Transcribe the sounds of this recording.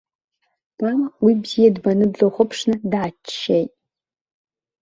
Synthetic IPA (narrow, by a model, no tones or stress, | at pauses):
mamwibzijadbanɨbloχʷəpʰʂnɨdat͡ʃːejtʼ